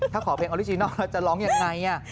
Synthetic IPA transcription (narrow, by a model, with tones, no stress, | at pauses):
t̪ʰaː˥˩kʰɔː˩˦pʰe˧ŋʔɔ˧ɾi˦˥˩t͡ɕi˧nɔː˥˩la˦˥˩t͡ɕa˨˩lɔː˦˥ŋja˧ŋːa˧ja˥˩